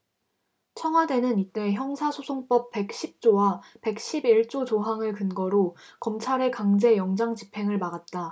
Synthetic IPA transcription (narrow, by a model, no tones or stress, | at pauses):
t͡ɕʰʌŋɦwade̞nɯnit͈e̞çjʌŋsʰasʰosʰoŋp͈ʌp̚p͈ːe̞k̚ɕ͈ip̚t͡ɕ͈owape̞k̚ɕ͈ʰibiɭt͡ɕ͈ot͡ɕoɦaŋɯɭkɯnɡʌɾokʌmt͡ɕʰaɾe̞kaŋd͡ʑe̞jʌŋd͡ʑaŋt͡ɕipʰe̞ŋɯɭmaɡat̚t͈a